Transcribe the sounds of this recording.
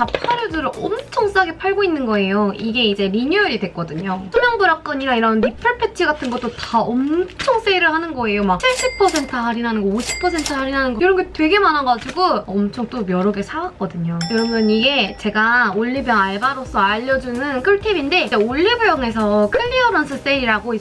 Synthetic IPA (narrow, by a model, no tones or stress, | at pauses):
t͡ɕapʰaɾjodɯɾɯʌmt͡ɕʰoŋs͈aɡe̞pʰaɭɡoinːɯnɡʌe̞joiɡe̞id͡ʑe̞ɾiɲuʌɾidwe̞k͈ʌdɯɲosʰomjʌŋbuɾak̚k͈ʌɲiɾaiɾʌnɾipʰɯɭpʰe̞t͡ɕʰiɡatʰɯnɡot͈otaʌmt͡ɕʰʌŋs͈eiɾɯɭhanɯnɡʌe̞jomak̚t͡ɕʰiɭɕ͈ipʰːʌsʰe̞ntʰɯɦaɾinɦanɯnɡʌoɕʰi̥pʰːʌs̬ʰe̞ntʰɯɦaɾinɦanɯnɡʌjoɾʌnɡetwe̞ɡe̞manaɡad͡ʑiɡoʌmt͡ɕʰoŋt͈omjʌɾɯɡesʰaɡak͈ʌdɯɲokɯɾʌmjʌniɡe̞t͡ɕe̞ɡaoʎːibjʌŋaɭbaɾosʰʌaʎːʌd͡ʑunɯnkʰɯɭtʰeminde̞ieoʎːibujʌŋe̞sʰʌkʰɯʎːiʌɾʌns͈ʰɯs͈eɾiɾaɡoi